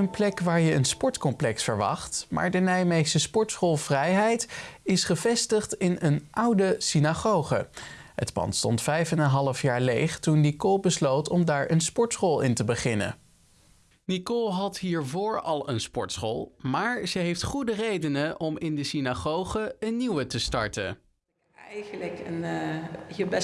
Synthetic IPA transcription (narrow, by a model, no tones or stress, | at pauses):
ənplɛkʋaːɹjəənspɔɹtkɔmplɛksfə̰ɹʋɑ̰χtmʔa̰ːɹdənɛjmesəspɔɹtsχolˠv̥rɛjɦɛjtɪsχəvɛstəχtɪnənʔʌwdəsinaχowχə̰ɦə̰tpɑ̰ntstɔ̰ntfɛjfənənɦɑlˠəfjaːɹlejχtunːikolˠbəslowtɔmdaːɹʔənspɔɹtsχolˠɪntəbəχɪnə̰ | nikolˠɦɑtɦiːɹvʊːɹɑ̰lˠənspɔ̰ɹtsχo̰lˠmaːɹzəɦejftχudərejdənəʔɔmɪndəsinaχowχəənnːiwətəstɑ̰ɹtə̰ | ɛjχələkən | jəbɛ